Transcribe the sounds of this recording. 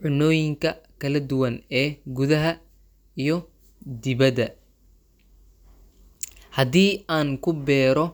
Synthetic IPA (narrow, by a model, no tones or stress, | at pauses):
ʕʊnɔːjɪŋkʰɐkʰɐlɐd̪ʊwɐnɛːɡuðɐɦɐ | ijɞ | d̪ɪβɐd̪ɐ | hɐd̪iːaːŋkʰʊbɛːɾɔ